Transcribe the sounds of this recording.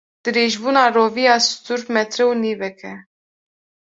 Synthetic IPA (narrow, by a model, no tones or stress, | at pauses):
d̪̥ɨɾeːʒbuːnɑːroːvijɑːst̪uɾmɛt̪ɾɛwniːvɛkʰɛ